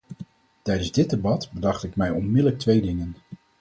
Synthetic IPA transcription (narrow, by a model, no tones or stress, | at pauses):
tɛjdənzdɪd̚debɑtbədɑχtɪkmɛjɔnmɪdələk̚tʋejdɪŋən